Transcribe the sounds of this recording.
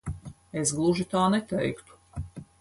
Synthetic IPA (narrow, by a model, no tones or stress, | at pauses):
esɡlˠuʒit̪aːnɛt̪ɛjkt̪u̥